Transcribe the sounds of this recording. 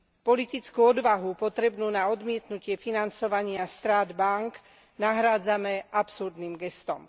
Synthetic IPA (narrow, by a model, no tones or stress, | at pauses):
pɔlit̪it͡skuɔd̪ʋaɦupɔt̪ɾɛbnuːnaɔd̪mɪɛt̪nucɪɛfinant͡sɔʋaɲɪast̪ɾaːd̪baŋk | naɦɾaːd͡zamɛapsuɾd̪nimɡɛst̪ɔm